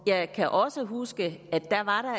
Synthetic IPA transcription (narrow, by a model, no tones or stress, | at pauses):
jɑ̈ɪkʰæʔɒ̽səɦusɡ̥əæd̥ːæʋɑ̈ɾ̥ɑ̈